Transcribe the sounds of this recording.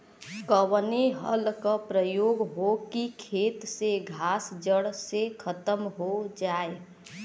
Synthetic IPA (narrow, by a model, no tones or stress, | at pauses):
kəwneɦə̰lkəpɾəjoɡɦokikʰet̪seɡʱasd͡ʒəɽsekʰət̪əmɦod͡ʒae